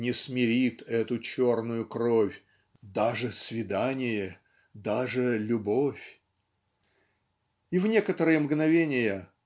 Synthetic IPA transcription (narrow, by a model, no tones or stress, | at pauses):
nʲɪsmʲɪɾʲit̪ɛt̪ʊt͡ɕo̞rnʊjʊkɾofʲ | d̪aʐɨsvʲɪd̪anʲɪjə | d̪aʐɨlʲʊbo̞fʲ | ivnʲekət̪əɾɨjəmɡnɐvʲenʲɪjə